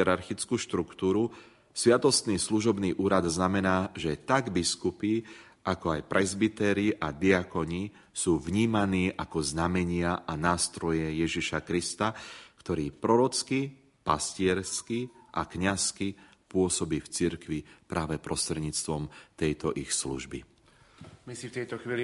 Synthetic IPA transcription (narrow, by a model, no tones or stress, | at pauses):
ɛɾaɾxit͡skuːʃt̪ɾukt̪uːɾu | sʋɪat̪ɔst̪niːsluʒɔbniːʔuːɾad̪znamɛnaːʒɛt̪aɡbiskupi | ʔakɔajpɾʔɛzbit̪ɛɾiʔad̪iakɔɲi | suːvɲiːmaniːʔakɔznamɛɲɪaʔanaːst̪ɾɔjɛjɛʒiʃakɾist̪akt̪ɔɾiːpɾɔɾɔt͡ski | pa̰scɪɛɾskiʔakɲaski | pʊɔsɔbiːft͡siɾkʋipɾʔaːʋɛpɾɔst̪ɾɛd̪ɲiːt͡st̪ʋɔmt̪ɛjt̪ɔʔixslṵʒbḭ | misift̪ɛjt̪ɔxʋiːli